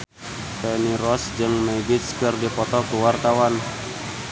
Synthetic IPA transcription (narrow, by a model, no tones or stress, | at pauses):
pɛniɾɔsd͡ʒɨŋmɛɡit̪skɨrdipɔt̪ɔkuwart̪awan